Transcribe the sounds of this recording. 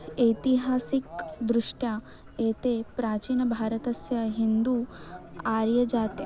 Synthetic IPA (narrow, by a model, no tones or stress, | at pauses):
ejt̪iɦaːsikd̪ɾuʂʈja | eːt̪eːpɾaːt͡ʃiːnɐbʱaːɾɐt̪ɐsjɐɦind̪u | aːɾjɐd͡ʒaːt̪jɐ